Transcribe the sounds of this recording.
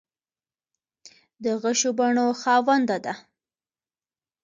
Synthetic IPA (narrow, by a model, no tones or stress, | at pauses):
d̪əɣaʃobaɳoxɑwand̪ad̪a